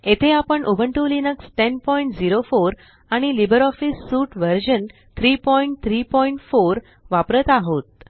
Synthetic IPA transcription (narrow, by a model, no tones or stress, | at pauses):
et̪ʰeapəɳʔubʱəɳʈulinəkst̪enpɔiɳʈd͡ziɾofoɾ | aɽ̃ilibəɾɔfisːuʈʋəɾd͡ʑən | t̪ʰɾipɔiɳʈ̚t̪ʰɾipɔiɳʈfoɾ | ʋapɾət̪aɦot̪̚